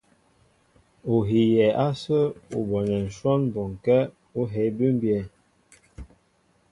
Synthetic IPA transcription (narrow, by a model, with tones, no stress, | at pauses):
o˨ɦi˨jɛ˨ʔa˦sə˦ṵ˨bɔ˨nɛ˨n̩˨ʃwɔ˦nbɔ˨ŋ˨kɛ˦ | o˦ɦɛ˨˦bi˦m˦bjɛ˨